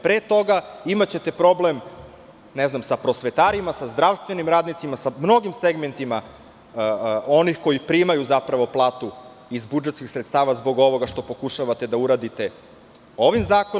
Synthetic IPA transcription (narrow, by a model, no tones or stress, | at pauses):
pɾet̪o̞ɡaimat͡ɕe̞t̪e̞pɾo̞blem | neznamsapɾo̞sʋet̪aːɾimasazd̪ɾaʋst̪ʋe̞nimɾaːd̪nit̪simasamno̞ɡimseɡme̞nt̪ima | o̞nixko̞jipɾimajuzapɾaʋo̞plˠaːt̪u | izbud͡ʒe̞t̪skixsɾet̪st̪aːʋazbo̞ɡo̞ʋo̞ɡaʃt̪o̞po̞kuʃaʋat̪e̞d̪auɾaːd̪it̪e̞ | o̞ʋimzaːko